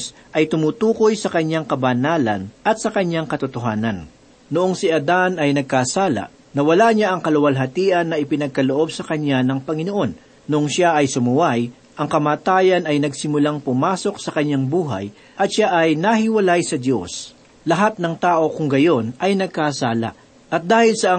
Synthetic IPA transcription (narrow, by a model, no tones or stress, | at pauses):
s | ʔɐjt̪ʊmuːt̪uːko̞jsɐkɐɲːaŋkɐbɐnaːlɐ̰nʔɐt̪̚sɐkɐɲːaŋkɐt̪ʊt̪oɦaːnɐnː | ʊʔoŋsiʔɐd̪anɐjnɐɡ̚kaːsaːla̰ʔ | nɐwɐlaɲaʔɐŋkɐlʊwɐlɦɐt̪iːʔɐnːɐʔɪpɪnɐɡ̚kɐloʔo̞bsɐkɐɲanɐŋpɐŋɪno̞ʔo̞nː | ʊʔoŋʃaʔɐjsʊmʊwaj | ʔɐŋkɐmaːt̪aːjɐnɐjnɐɡsɪmʊlaŋpʊmaːso̞k̚sɐkɐɲːaŋbuːɦɐ̰j | ʔɐt̪ʃaʔɐjnɐhɪwɐlajsɐd̪jo̞s | lɐɦat̪̚nɐŋt̪aːʔo̞kʊŋɡɐjo̞nɐjnɐɡ̚kaːsaːla̰ʔ | ʔɐt̪̚d̪aːhɪlsɐʔ